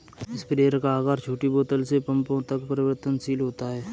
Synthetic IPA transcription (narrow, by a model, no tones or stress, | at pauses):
ɪspɾeːɾkaːɡaːɾt͡ʃʰuːʈiboːt̪əlsepə̃mpõt̪ɐkpəɾɪʋəɾt̪ənsiːlɦoːt̪aɦɛː